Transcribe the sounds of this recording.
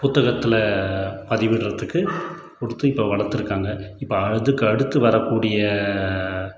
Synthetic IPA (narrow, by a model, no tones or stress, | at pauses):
pʊt̪ːɐɣɐt̪ːɪlɐpɐðɪʋɪɽrɐðɯkːɯ | pɔɽɯt̪ːɯɪpːoːʋɐɭɐɾt̪ːɯɾɯkːaːŋɡɐɪpːoɐɻɐðɯkːɯɐɽɯt̪ːɯʋɐɾɐkːuːɽɪjɐ